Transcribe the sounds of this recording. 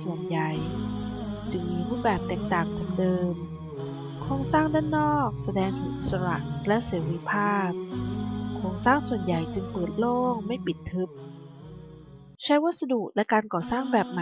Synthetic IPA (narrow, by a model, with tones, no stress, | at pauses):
su˨˩ənja˨˩j | t͡ɕɯ˧ŋmiː˧ɾuː˥˩bɛː˨˩p̚t̪ɛː˨˩k̚t̪aː˨˩ŋt͡ɕaː˨˩k̚dɤː˧m | kʰɔː˧ŋsaː˥˩ŋdaː˥˩nːɔː˥˩k̚sa˧dɛː˧ŋt̪ʰɯ˩˦ʔi˨˩tsa˧ɾa̰˨˩ʔlɛ˦˥ʔseː˩˦ɾi˦˥pʰaː˥˩p̚kʰoː˧ŋsaː˥˩ŋsu˨˩ənja˨˩jt͡ɕɯ˧ŋpɤː˨˩t̪̚loː˥˩ŋma˥˩jpi˨˩t̪ʰːɯ˦˥p̚ | t͡ɕʰa˦˥jwa˦˥t̪̚sa˧du˨˩k̚lɛ˦˥kaː˧nkɔː˨˩saː˥˩ŋbɛː˨˩p̚ma˨